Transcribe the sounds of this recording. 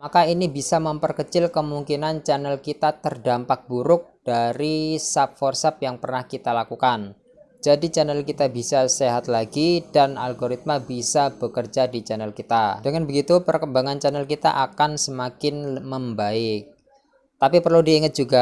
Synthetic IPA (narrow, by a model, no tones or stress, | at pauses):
makainibisaməmpərkət͡ʃɪlkəmuŋkinant͡ʃanəlkit̪at̪ərdampak̚b̥uɾʊk̚d̥aɾisap̚fɔrsɛp̚jaŋpərnahkit̪alakukan | d͡ʒadit͡ʃanəlkit̪abisaseɦat̪laɡid̥ana̰lɡoɾit̪̚mabisab̥əkərd͡ʒadit͡ʃanəlkit̪adəŋanbəɡit̪upərkəmbaŋant͡ʃanəlkit̪a̰ʔakansəmakɪnməmbaɪk̚ | t̪apipərludiːŋət̪̚d͡ʒ̥uɡa